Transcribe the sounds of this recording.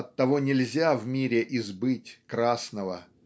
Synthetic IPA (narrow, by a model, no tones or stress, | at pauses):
ɐt̪ːɐvo̞nʲɪlʲzʲavmʲiɾʲɪʔɪzbɨtʲkɾasnəvə